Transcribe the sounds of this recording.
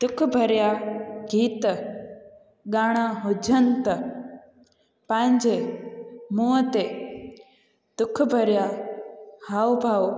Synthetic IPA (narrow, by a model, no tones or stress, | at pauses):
t̪ʊkʰbʱɐɾjaːɡiːt̪ | ɡaːɽ̃aɦod͡ʒɐnt̪ɐ | paɲd͡ʒe | mut̪e | d̪̥ʊkʰbʱɐɾjaː | hawbʱaw